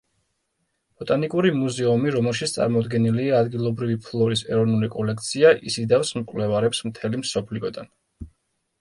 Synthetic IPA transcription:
b̥ɔt̪ʼanikʼuɾimuzɛumiɾɔmɛlˠʃit̪sʰt̪sʼa̰ɾmɔd̪ɡɛniliaːd̪ɡilˠɔbɾivipʰlˠɔɾisɛ̰ɾɔvnulikʼɔlɛkʰt̪sʰiaʔḭsid̪afsmkʼwlɛvaɾɛpsmt̪ʰɛlimsɔpʰliɔd̪an

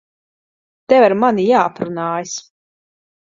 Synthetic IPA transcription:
t̪ɛvaɾmanijaːapɾunaːjis

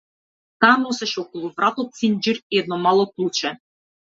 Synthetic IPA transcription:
t̪anosɛʃokolˠuvɾat̪ot̪̚sinʲd͡ʒiɾɛd̪nomalˠoklˠut͡ʃɛ

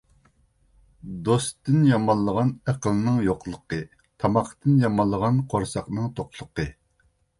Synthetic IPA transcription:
d̪ost̪ɨnjɑmɑlˠːəʁɑnæqəlˠɨnɨŋjoqlˠəqɨ | t̪ʰɑmɑqʰt̪ɨnjɑmɑlˠːəʁɑnqʰoɾsɑqnɨŋt̪ʰoqlˠʊqə

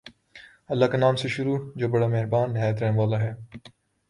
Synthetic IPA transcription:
ɐlːaːkenaːmseʃʊɾuːd͡ʒoːbɐɽaːmeɦɾbaːnːɪɦaːjət̪ɾɛːnʋaːlaɦɛː

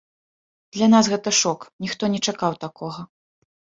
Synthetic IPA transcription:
d̪̥lʲanasɣɛt̪ɐʂɔknʲixt̪ɔnʲɛt͡ʂakawt̪akʰɔɣɐ

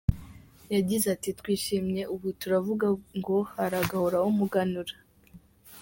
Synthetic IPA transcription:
jaɟizatitwiːʃimɲe̞uβutuɾavuɡaŋɡo̞haɾaɡahoɾaumuɡanuɾḁ

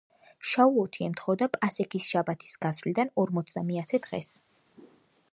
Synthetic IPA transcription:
ʃauɔt̪ʰiɛmt̪ʰχɔd̪apʼasɛkʰisʃabat̪ʰi̥sɡasvlid̪anɔɾmɔt̪sʰd̪amɛat̪ʰɛd̪̥ʁɛ̰s

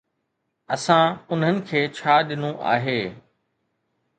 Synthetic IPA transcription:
ɐsãʊn̤ənɪ̆kʰeːt͡ɕʰaːɗɪnõʔa̰ːɦeː

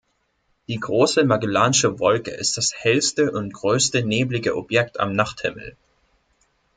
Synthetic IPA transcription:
d̥iːɡʁoːsəmaɡəlaːnɪʃəvɔlkə̰ʔɪ̰st̚d̥ashɛlstəʔʊntɡ̥ʁøːstəneːblɪɡəʔɔbjɛk̚ta̰mnaχthɪ̰ml̩

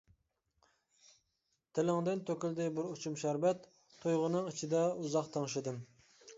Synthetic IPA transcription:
t̪ʰɪlɪŋd̪ɪnt̪ʰøkʲyld̪ɪbɨɾut͡ʃʰumʃæɾvɛt̪ʰː | ojʁʊnɨŋit͡ʃʰid̪ɛuzɑqt̪ʰɑŋʃɨd̪ɨm

